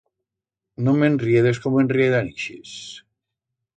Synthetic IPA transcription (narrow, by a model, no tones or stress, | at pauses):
nomenrieðeskomoenrieðaniʃis